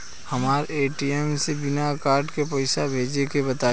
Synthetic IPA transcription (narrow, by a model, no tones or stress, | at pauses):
hɐmaːɾeːʈiɛmsebɪnakaːɾɖkepɛɪsabʱeːd͡ʒekebɐt̪aː